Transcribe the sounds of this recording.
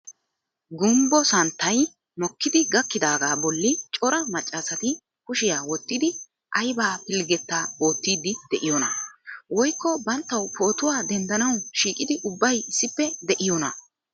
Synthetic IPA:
ɡʊmbɔsɐnt̪ːɐj | mɔkːɪd̪ɪɡɐkːɪd̪aːɡaːbɔlːɪt͡ʃʼɔɾɐmɐt͡ʃʼːɐsɐt̪ɪ | kʊʃɪjaːwɔt̪ːɪd̪ɪ | ʔɐjbaːpɪlɡɛt̪ːaːwoːt̪ːiːd̪ɪd̪̥ɛʔɪjɔnɐ̰wɔjkːɔbɐnt̪ːɐwpʰo̞ːt̪ʊwaːd̪ɛnd̪ɐnɐwʃiːkʼɪd̪ɪʔʊbːɐjɪsːɪpːɛd̪ɛʔɪjɔnɐ̰

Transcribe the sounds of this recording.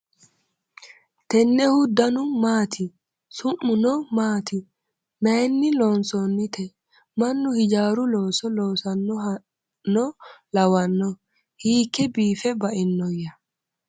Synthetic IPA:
t̪ɛnːɛhʊd̪ːɐnʊmaːt̪ʰi | sʊmːʊnɔmaːt̪i | mɛnːɪlɔnsɔnːɪt̪ʰɛ | mɐnːʊhɪd͡ʒaːɾulɔːsɔlɔːsɐnːɔ | nːɔlɐwɐnːɔ | hiːkːɛbiːfɛbɐʔɪnːɔjːɐ

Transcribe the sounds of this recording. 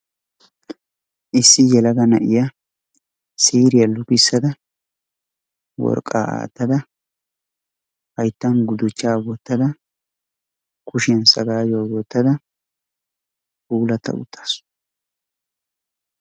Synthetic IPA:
ʔɪsːɪjɛlɐɡɐnɐʔɪjɐ | siːɾɪjɐlʊkɪsːɐd̪ɐ | wɔ̰ɾkʼːa̰ːa̰ːt̪ːɐd̪ɐ | hɐjt̪ːɐnɡʊd̪ʊt͡ʃːaːwɔt̪ːɐd̪ɐ | kʊʃɪjɐnsɐɡaːjowwɔt̪ːɐd̪ɐ | uːlɐt̪ɐ̰ʊ̰t̪ʰːḁːs

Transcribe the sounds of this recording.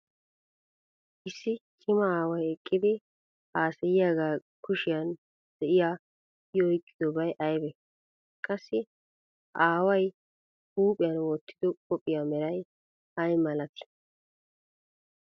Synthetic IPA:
ʔɪsːɪkʰɪmɐaːwɐjɛkʼːɪd̪ɪ | aːsɛjɪjaːɡaː | kʰʊʃɪjɐn | d̪̥ɛʔɪjaː | jɔjkʼːɪ̥d̪ɔbɐjʔɐjbɛ | kʼɐsːɪ | ʔaːwɐj | huːpʼɪjɐnwɔt̪ːɪd̪ɔkʼɔpʼːɪjamɛɾɐj | ɐjmɐlɐt̪ɪ̥

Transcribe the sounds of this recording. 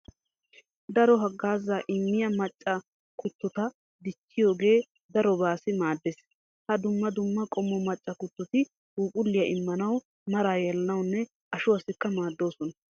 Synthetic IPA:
d̪ɐɾɔɦɐɡːaːzːɐʔɪmːɪjɐmɐt͡ʃʼːɐ | kʊt̪ːɔt̪ɐ | d̪ɪt͡ʃːɪjo̞ːɡe̞ː | d̪ɐɾɔbaːsɪmaːd̪ːes | hɐd̪ʊmːɐd̪ʊmːɐkʼɔmːɔmɐt͡ʃʼːɐkʊt̪ːɔt̪ɪ | uːpʼʊlːɪjɐʔɪmːɐnɐw | mɐɾaːjɛlɐnɐwnːɛ | ʔɐʃʊɐsɪkːɐmaːd̪ːo̞ːsɔnɐ

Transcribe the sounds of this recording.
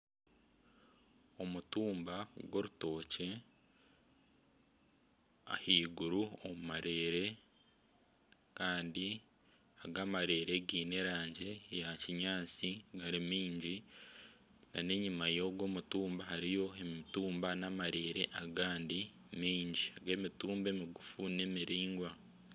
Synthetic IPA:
o̞mutuːmbaɡwo̞ɾuto̞ːce̞ | a̰hiːɡuɾuomumaɾe̞ːɾe̞ | kaːndi | aɡamaɾe̞ːɾe̞ɡiːne̞ɾaːɲɟe̞jaciɲaːt͡siɡaɾimiːɲɟi | nane̞ɲimajo̞ɡwo̞ːmutuːmbaɦaɾijo̞emituːmbanamaɾe̞ːɾe̞ʔaɡaːndi | miːɲɟiaɡe̞ːmituːmbe̞ːmiɡufune̞miɾiːŋɡwa

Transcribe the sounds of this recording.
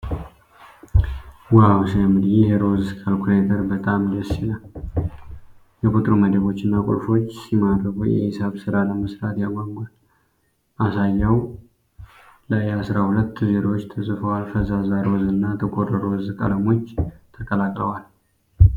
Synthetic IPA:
wawsmɨd̪jeheɾo̞zkʼalkʰɾet̪ʰəɾbət̪ʼamd̪əsilaw | jɛkʰot̪ʼɾoməd̪əβo̞t͡ʃːɪnːakʼʊ̰lfo̞t͡ʃːsimad̪ɾəfujɛ̰hsaβsɨɾaləməsɾat̪jaɡʷaɡɡal | ʔasajːəw | lajɛasɾahulət̪ːzeɾawot͡ʃːt̪ʰəsʼɨfəwalfəzazheɾo̞zɨnːat̪ʰəkʰʼorəɾo̞zkʼələmo̞t͡ʃːt̪ʰəkʼəlakʼləwal

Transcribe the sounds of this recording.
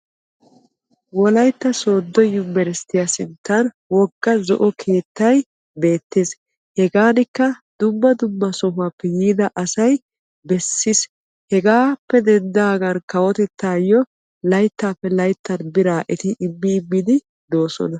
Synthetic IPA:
wɔlɐjt̪ːɐso̞ːd̪ːɔjːɔmɛɾɛst̪ɪjasɪnt̪ːɐn | wɔɡ̥ːɐzɔʔɔkʰe̞ːt̪ːɐj | be̞ːt̪ːeːs | hɛɡaːnɪkːɐd̪̥ʊmːɐd̪ʊbːɐsɔɦʊaːpːɛjiːd̪ɐʔɐsɐj | bɛsːɪs | hɛɡaːpːɛd̪ɛnd̪aːɡɐnkɐwɔt̪ɛt̪ːaːjɔ | lɐjt̪ːaːpːɛlɐjt̪ːɐnbɪɾaːʔɛt̪ɪʔɪbːɪːbːɪd̪ɪ | d̪o̞ːsɔ̰nɐ

